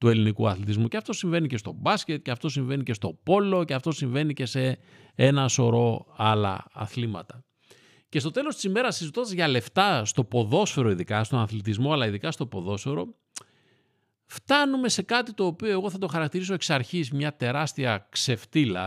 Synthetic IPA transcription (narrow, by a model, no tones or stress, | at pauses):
t̪ue̞linikṵɐ̰θlit̪izmuceɐft̪o̞siɱve̞nice̞st̪o̞bɐsce̞t̪ce̞ɐft̪o̞siɱve̞nice̞st̪o̞po̞lo̞ceɐft̪o̞siɱve̞nice̞se̞ | enɐso̞ɾo̞ɐlɐ̰ɐ̰θlimɐ̰t̪ɐ | ce̞st̪o̞t̪e̞lo̞st̪i̥sime̞ɾɐsizit̪o̞nd̪ɐzʝɐle̞ft̪ɐst̪o̞po̞ðo̞sfeɾo̞iðikɐst̪o̞nɐθlit̪izmo̞ɐlɐiðikɐst̪o̞po̞ðo̞sfeɾo̞ | ft̪ɐnume̞se̞kɐt̪it̪o̞ːpio̞eɣo̞θɐt̪o̞xɐɾɐk̚t̪iɾis̬o̞e̞ksɐɾçismɲɐt̪e̞ɾɐst̪iɐkse̞ft̪ilɐ